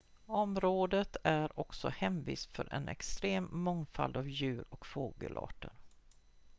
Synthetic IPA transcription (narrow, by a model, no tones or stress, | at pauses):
ɔmɾoːd̪ət̪æɾɔksɔhɛmviːsfœɾʔɛ̰nɛ̰kst̪ɾeːmːɔŋfa̰ld̪avjʉ̟ːɾɔkfoːɡə̰lʔɑ̰ːʈəɾ